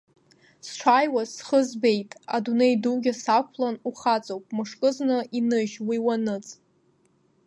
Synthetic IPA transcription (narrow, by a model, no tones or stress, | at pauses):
sʈ͡ʂʷʰajwasχəzbe̞jtʼa̰dunejduɡʲasakʷʰlanuχat͡sʼowpʼmɨʂkʼɨznɨʔinɨʒwiwanɨt͡sʼ